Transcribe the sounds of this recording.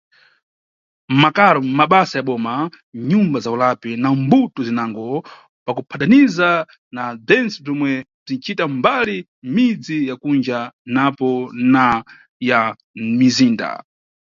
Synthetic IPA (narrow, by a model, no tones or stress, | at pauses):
makalɔmaɓasajaɓɔːma | ɲumbazaulapinambutuzinaŋɡɔ | pakupʰataniza | nab͡ʐɛnt͡sɛb͡ʐɔmwɛ | b͡ʐint͡ʃʰitambali | mid͡zijakund͡ʒanapɔna | ja | miziːnda̰